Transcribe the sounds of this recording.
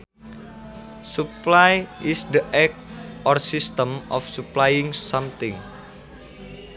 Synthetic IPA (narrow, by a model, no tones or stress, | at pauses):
suplajisd̪əʔɛk̚ʔɔrsist̪əmɔfsuplajɪŋsamt̪ɪŋ